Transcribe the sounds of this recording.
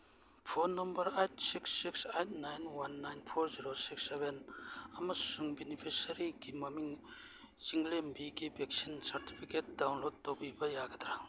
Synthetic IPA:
pʰonɐmbɐɾejt̚siksːiksejt̚najnwanːajnpʰoɾziɾosiksːeβenɐmɐsuŋbinipʰisɐɾiɡimɐmiŋ | ziŋlembiɡibek̚sinsɐɾti̥pʰiket̚dawnlod̚tːopibɐjaɡɐdɾa

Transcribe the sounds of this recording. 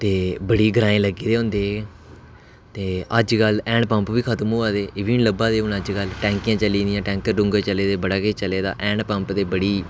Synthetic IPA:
t̪eːbəɽiːɡəɾaːẽːləɡiːd̪eːɦʊ̃ːnd̪eː | t̪eːəd͡ʒkəlɛ̃ːɳɖpəmpʋiːkʰət̪mɦuːaːd̪eːʔɪʋiːnləbaːd̪eːʊnəd͡ʒkəlʈɛ̃ːŋkijãːt͡ʃəlĩːd̪ɪjãːʈɛ̃ːŋk̚t̪eːɾʊ̃ŋɡət͡ʃəleːd̪eːbəɽaːkeːt͡ʃəleːd̪a̰ːʔɛ̃ːɳpə̃mpd̪eːbəɽiː

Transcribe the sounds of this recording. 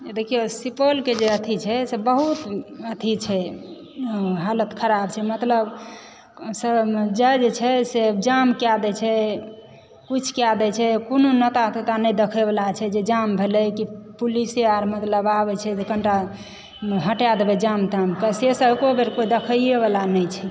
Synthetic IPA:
ed̪ekʰijesipolked͡ʒeət̪ʰit͡ʃʰɛsebəɦut̪ət̪ʰit͡ʃʰɛ | ɦalət̪kʰəɾab̚t͡ʃʰɛmət̪ləb | səd͡ʒəjd͡ʒet͡ʃʰɛsed͡ʒamkjad̪ɛt͡ʃʰɛ | kut͡ʃʰkjad̪ɛt͡ʃʰɛkononət̪at̪ot̪anəjd̪ekʰebelat͡ʃʰɛd͡ʒed͡ʒambʱelɛkipuliseaɾmət̪ləbabɛt͡ʃʰɛt̪ekəɳʈa | ɦəʈjad̪ebɛd͡ʒamt̪amkəsesəbkobeɾkoid̪ekʰəeβalanət͡ʃʰɛ

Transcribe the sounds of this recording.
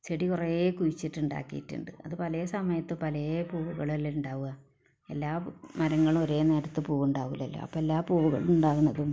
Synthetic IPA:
t͡ɕeɽikureːkujit͡ɕːiʈːuɳɖa̰ːkːḭjḭʈːṵɳɖɨ̰ɐðɨpɐlɐsɐmɐjɐt̪ːɨpɐlɐjepuːʋuɣɐɭiluɳɖaːʋuɣɐ | e̞̰lːaːmɐɾɐŋːɐɭmo̞ɾe̞ːne̞ːɾɐt̪ːɨpuːɣuɳɖaːʋulːɐlːo̰ːɐ̰pːoelːaːpuːʋuɣɐ̰ɭuɳɖaːɣunːɐðum

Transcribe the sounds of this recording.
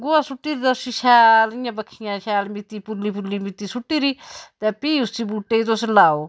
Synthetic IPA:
ɡʊaːsʊʈːiːɾiːt̪ɛsiʃʰaːlɪjãːbəkʰijãːʃaːlmɪt̪iːpʊliːp̬ʊliːmɪt̪iːsʊʈːiːɾiːt̪ɛpiːʊst͡ʃiːbuːʈːeːiːt̪̬oslaːoː

